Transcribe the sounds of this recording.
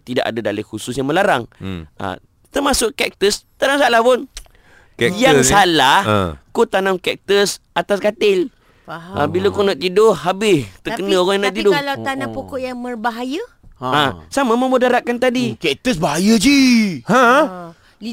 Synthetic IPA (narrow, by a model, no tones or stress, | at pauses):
t̪ida̰ʔa̰dadalɪhususjaŋməlaɾaŋʔa̰ | t̪ərmasʊʔkɛk̚t̪əst̪anamsalahpʊn | kɛjaŋsalahkut̪anamkɛk̚t̪əsat̪askat̪ɪl | a̰bilakunaʔt̪idʊɦabɪst̪əkənəoɣaŋjanat̪idʊalawt̪anãpokɔʔjaŋmərbaɦajə | asamaməmudaɾaʔ̚kant̪adikɛk̚t̪əsbaɦajəd͡ʒihã